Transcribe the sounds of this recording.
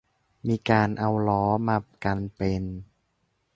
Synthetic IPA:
miː˧kaː˧nʔa˧wlɔː˦˥ma˧p̚ka˧npe˧n

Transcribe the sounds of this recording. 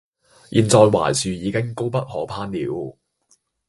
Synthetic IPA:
jʔiː˨nt͡sɔː˨jwa̰ː˨˩jsyː˨jiː˨˧kɪ˥ŋko˥wpɐ˥t̚hɔː˨˥pʰaː˥nliː˨˥w

